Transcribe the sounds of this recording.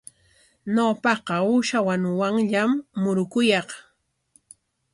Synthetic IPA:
nopɑqɑʊʃawanwaŋʎamːʊɾʊkʊjɑχ

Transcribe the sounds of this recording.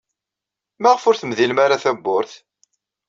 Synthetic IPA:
mæʁfʊɾθəmðilmaɾaθæbːʊɾθ

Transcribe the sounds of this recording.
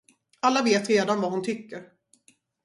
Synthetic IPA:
alːaveːt̪ɾeːd̪anvaɦʊnt̪ʰʏkːəɾ

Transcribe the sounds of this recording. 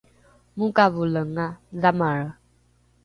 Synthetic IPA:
mukavuləŋazamaɾə

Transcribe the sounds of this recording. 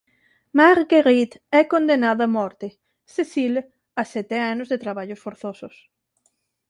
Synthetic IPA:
maɾɡeɾit̪ɛkond̪enaðoamɔɾt̪e | sesil | asɛt̪eanozðet̪ɾaβaʎosfoɾθosos

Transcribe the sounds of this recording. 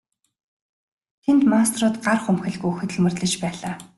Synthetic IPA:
t̪ʰent̪mast̪rʊːt̪ɢarχumxɘ̆ɮɣujɵxɵ̆t̪ɵ̆ɮmɵ̆rt̪ɮɘ̆t͡ɕpæːɮaː

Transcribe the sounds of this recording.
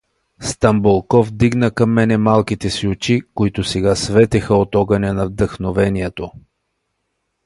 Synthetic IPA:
st̪ɐmbolˠkɔvd̪iɡnəkɐmːɛnɛmalˠkit̪ɛsiot͡ʃikoit̪ʊsɛɡasvɛt̪ɛxəot̪ɔɡɐnʲɛnɐvd̪əxnovɛniɛt̪o

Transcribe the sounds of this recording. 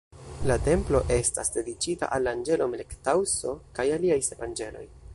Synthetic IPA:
late̞mplo̞ʔe̞sta̰sde̞dit͡ʃita̰ʔalːaːnd͡ʒe̞lo̞melektawso̞kajaliajsevand͡ʒe̞lo̞̰j

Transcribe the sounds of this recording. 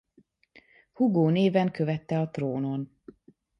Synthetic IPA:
huɡoːneːvɛŋkøvɛt̪ːɛɒt̪roːno̞n

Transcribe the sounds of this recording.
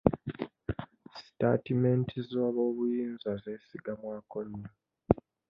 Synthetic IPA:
si̥ta̰time̞ntʰizoβo̞ːβujiːnzaze̞ːsiɡamwaːkoɲːo

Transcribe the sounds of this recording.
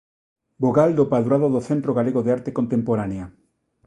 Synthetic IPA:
boɣald̪opaðuɾaðoðoθẽnt̪ɾoɣaleɣoðeaɾt̪ekont̪empoɾanea

